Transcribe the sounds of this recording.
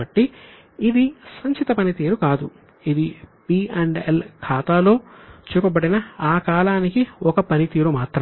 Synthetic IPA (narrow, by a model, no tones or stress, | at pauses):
ɐʈːiː | d̪isɐɲt͡ʃit̪ɐpɐnit̪iːɾukaːd̪u | id̪ipiːeɳɖelkʰaːt̪aːlo̞ːt͡ʃuːkɐbɐɽinɐaːkaːlaːnikiɔkɐpɐnit̪iːɾumaːt̪ɾɐ